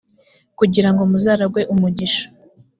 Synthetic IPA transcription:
kuɟiɾaŋɡomuzaːɾaɡwe̞ʔumuɟiʃḁ

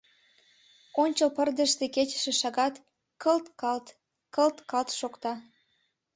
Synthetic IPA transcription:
onʲt͡ɕəlpərd̪ə̆ʃt̪eket͡ɕə̥ʃĕʃɑɣɑt̪ | kəlt̪kɑlt̪ | kəlt̪kɑlt̪ʃokt̪ɑ

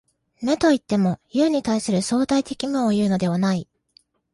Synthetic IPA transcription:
me̞t̪o̞it̪ːe̞mo̞jɯ̟ːɲ̟it̪aisɨɾɯ̟so̞ːt̪ait̪e̞kʲimɯ̟̃ojɯ̟ːno̞d̪e̞βanai

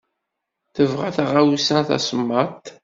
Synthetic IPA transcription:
θəvʁaθaʁawsænθæ̰səmːət̪

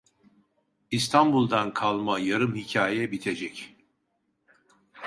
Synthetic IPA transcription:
ist̪ʰanbulˠd̪ankʰalˠmajaɾɯmhicʰaːjɛbit̪ʰed͡ʒɛc

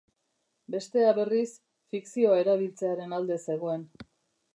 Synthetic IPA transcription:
be̞st̪e̞aβe̞ris | fiksio̞ae̞ɾaβ̞ilt͡se̞aɾe̞nald̪e̞se̞ɣ̞o̞e̞n

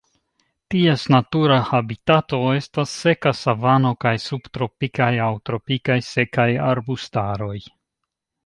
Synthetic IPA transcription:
tiesnatuɾahabitato̞e̞stasːe̞kasavano̞kajsub̥t̪ɾo̞pikajawtɾo̞pikajse̞kajaɾbustaɾo̞j

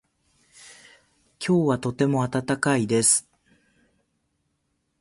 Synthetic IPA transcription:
kʲʰo̞ːβat̪o̞t̪e̞mo̞at̪at̪akaid̪e̞sɨ̥

